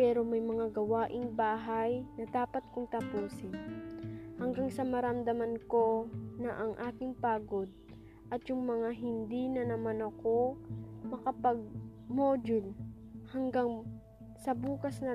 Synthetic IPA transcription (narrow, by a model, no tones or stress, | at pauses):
pɛːɾo̞mɐjmɐŋaɡɐwaːʔɪŋbaːɦɐjnɐd̪aːpɐt̪̚kʊŋt̪ɐpuːsɪn | hɐŋɡaŋsɐmɐɾɐmd̪ɐmɐnko̞nɐʔɐŋʔaːkɪŋpaːɡo̞d̪̚ | ʔɐt̪jʊŋmɐŋaɦɪnd̪inɐnɐmanɐko̞mɐkɐpɐɡ̚moːd͡ʒʊlhɐŋɡaŋ | sɐbuːkɐsnɐ